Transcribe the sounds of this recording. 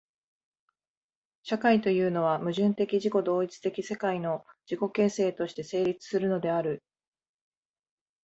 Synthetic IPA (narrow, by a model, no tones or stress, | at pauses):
ɕakait̪o̞jɯ̟ːno̞β̞amɯ̟ʑɨ̃nt̪e̞kʲiʑiko̞d̪o̞ːit͡sɨ̥t̪e̞kʲise̞kaino̞d͡ʑ̥iko̞ke̞ːse̞ːt̪o̞ɕi̥t̪e̞se̞ːɾʲit͡sɨ̥sɨɾɯ̟no̞d̪e̞aɾɯ̟